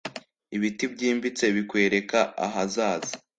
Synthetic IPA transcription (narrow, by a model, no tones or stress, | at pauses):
iβitibɟiːmbit͡se̞βikwe̞ːɾe̞kaa̰ɦazaːzi